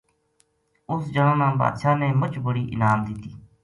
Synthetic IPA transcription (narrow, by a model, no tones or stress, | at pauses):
ʊsd͡ʒəɽãːnãːba̰ːd̪ʃaːnẽːmət͡ʃbəɽiːʔɪ̰naːmd̪ɪt̪iː